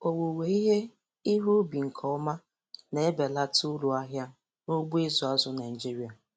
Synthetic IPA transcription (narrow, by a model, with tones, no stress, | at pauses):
o˨wo˨we˨i˦ɦe˦ | i˦ɦu˦bi˨ŋ̩˨kʰɔ˨˦ʊ˦ma˦ | ne˨e˦be˨la˦tʊ˦lu˨a˦ɦja˦ | no˦ɡ͡bu˦ɪ˦zʊ˨a˦zʊ˦na˨d͡ʒi˦ɾi˨˦a˨